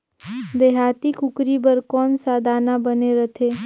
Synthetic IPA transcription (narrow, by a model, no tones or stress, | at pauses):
d̪eːɦaːt̪ikʰʊkɾibəɾkɔːnsaːd̪ʱaːnabəneɾət̪ʰeː